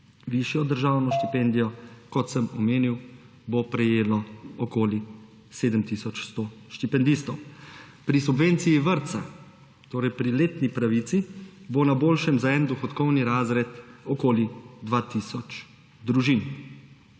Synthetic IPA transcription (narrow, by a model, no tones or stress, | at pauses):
ʋiʃjɔd̪əɾʒaːwnɔʃt̪ipɛnd̪ijɔkɔt̪səmɔmeːniw | bopɾɛjeːlɔɔkoːli | seːd̪əmt̪isɔt͡ʃst̪oːʃt̪ipɛnd̪ist̪ɔw | pɾisubʋent̪sijiʋəɾt̪sa | t̪oːɾɛjpɾileːt̪nipɾaʋit̪sibonaboːlʃɛmzaɛnd̪ɔxɔt̪kɔwniɾaːzɾɛt̪ɔkoːlid̪ʋaːt̪isɔt͡ʃ | d̪ɾuʒin